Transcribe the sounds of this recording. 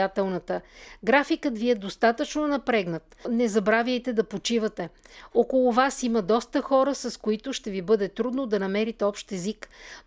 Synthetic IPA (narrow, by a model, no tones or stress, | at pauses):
at̪ɛlˠnɐt̪əɡɾafikət̪viɛd̪ost̪at̪ət͡ʃnonɐpɾɛɡnət̪nɛzɐbɾavʲjəjt̪ɛd̪ɐpot͡ʃivɐt̪ɛokolˠʊvasiməd̪ɔst̪əxɔɾəsɐskoit̪ʊʃt̪ɛvibɤd̪ɛt̪ɾud̪nod̪ɐnɐmɛɾit̪ɛɔpʃt̪ɛzik